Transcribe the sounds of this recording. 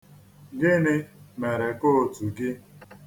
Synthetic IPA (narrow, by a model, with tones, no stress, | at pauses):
ɡɪ˦nɪ˦me˨ɾe˨ko˦˨tu˨ɡɪ˦